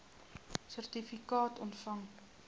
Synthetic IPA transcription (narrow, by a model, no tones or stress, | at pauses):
sərtifikɑːtʰɔntfɐŋ